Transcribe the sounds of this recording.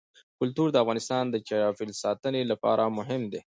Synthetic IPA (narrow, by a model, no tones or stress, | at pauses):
kʊlt̪uɾd̪əafɣɑnɪst̪ɑnd̪ət͡ʃaɑfɪlsɑt̪ənelapɑ̰ɾʔamʊɦɪmd̪e